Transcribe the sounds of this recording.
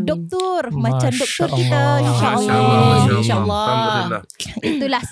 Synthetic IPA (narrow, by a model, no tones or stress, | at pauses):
dɔk̚t̪ʊrmãt͡ʃamdɔk̚t̪ʊrkit̪ainʃaʔəlːɔinʃaʔəlːɔ | it̪ulah